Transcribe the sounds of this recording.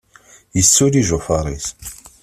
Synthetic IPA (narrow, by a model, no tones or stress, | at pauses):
jəsːuliʒʊfɑɾˤis